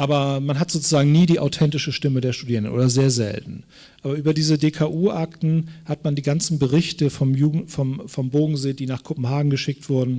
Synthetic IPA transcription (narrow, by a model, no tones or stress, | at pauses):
ʔaːbɐmanɦatz̥oːt͡suzaːɡŋ̩niːdiːʔa̰ʊtʰɛntɪʃəʃtɪmədeːɐʃtudiːʁəndənʔo̰ːdɐzeːɐzɛ̰ltn̩ | ʔaːbɐʔyːbɐdiːzədeːkʰaːʔuːʔaktn̩hatmandiːɡant͡sn̩bəʁɪçtəfɔmjuːɡŋ̩fɔmfɔmboːɡŋ̩zeːdiːnaːχkʰopm̩ɦaːɡŋ̩ɡəʃɪk̚tv̥ʊɐdn̩